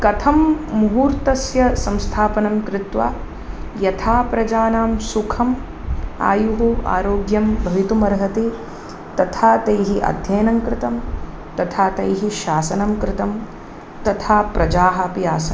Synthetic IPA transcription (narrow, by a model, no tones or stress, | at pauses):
kɐt̪ʰɐmːuɦuːɾt̪ɐsjɐsɐmst̪ʰaːpɐnɐmkɾɪt̪ʋaː | jɐt̪ʰaːpɾɐd͡ʒaːnaːmsukʰɐm | a̰ːjuɦua̰ːɾoːɡjɐmbʱɐʋit̪umɐɾɦɐt̪i | t̪ɐt̪ʰaːt̪ɐjɦiʔɐ̰d̪ʱjɐːnɐmkɾɪt̪ɐm | t̪ɐt̪ʰaːt̪ɐjɦiʃaːsɐnɐmkɾɪt̪ɐm | t̪ɐt̪ʰaːpɾɐd͡ʒaːɦɐpjaːsɐm